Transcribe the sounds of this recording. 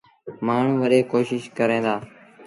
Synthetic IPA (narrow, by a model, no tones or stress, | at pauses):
maːɳ̤ũːʋəɗeːkoːʃɪʃkəɾẽːd̪aː